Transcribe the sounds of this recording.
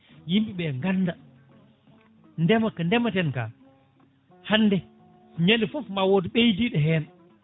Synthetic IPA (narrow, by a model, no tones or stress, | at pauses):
jimɓiɓɛŋɡanːda | ndɛmakandɛmatɛnka̰ | hanːdɛ | ɲenifɔfmawodiɓejdiɗɛɦɛːn